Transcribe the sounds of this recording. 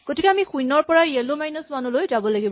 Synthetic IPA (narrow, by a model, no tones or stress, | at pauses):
ɡ̥otikɛamixujnɔɹpɔɹaelomajnɔsmanulojzabɔlaɡibɔ